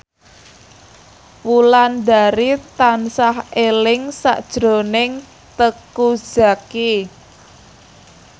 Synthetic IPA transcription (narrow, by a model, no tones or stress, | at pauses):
wulandaɾit̪ansahelɪŋsa̰ʔd̥ʒ̥ɾonɪŋ | t̪əku̥ʒ̥a̤ki